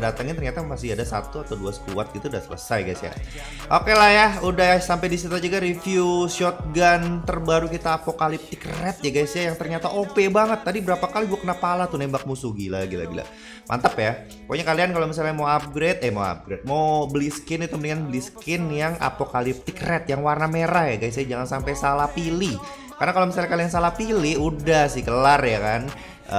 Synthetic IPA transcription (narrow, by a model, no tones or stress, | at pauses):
dat̪əŋɪnt̪ərɲat̪amasɪɦadasa̰t̪uat̪awduasə̥t̪uat̪̚ɡit̪udasələ̰sajɡajsja̰ | ʔokelahjaudajasampadisit̪ad͡ʒuɡaɾifjuʃɔt̪̚ɡant̪ərbaɾukit̪aːpokalɪp̚t̪ɪkrɛt̪̚jaɡajsjajaŋt̪ərɲat̪aʔopebaŋət̪ːadibəɾapakaliɡuakənapalat̪unembak̚musuɡilaɡila̰ɡila̰ | mʔa̰nt̪əpja | poɲakaliankalomisalɲamawap̚ɡɾet̪ɛmawa̰p̚ɡɾet̪̚mawbliskɪnit̪uməniŋanbəliskɪnjaŋa̰pokalɪp̚t̪ɪkrɛt̪jaŋwarnameɾahjaɡajs̬jad͡ʒaŋansampajsalapili | karnakalomisalɲakaliansalapiliudahsɪkəlarjakan | ə̰